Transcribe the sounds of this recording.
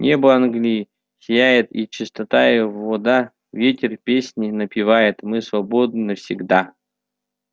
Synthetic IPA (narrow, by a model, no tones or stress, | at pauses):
nʲʔebəanɡlʲi | sʲɪjæjɪt̪it͡ɕɪst̪ɐt̪ajɪjovːɔd̪a | vʲetʲɪrpʲesʲnʲɪnəpʲɪvajɪt̪mɨsvɐbod̪nɨnəfsʲɪɡd̪a